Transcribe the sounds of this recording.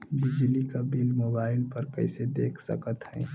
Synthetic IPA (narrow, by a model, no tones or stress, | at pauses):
bɪd͡ʒlikabilmoːbaːɪlpəɾkə̰ɪsed̪eːkʰsə̰kət̪ɦɛ̃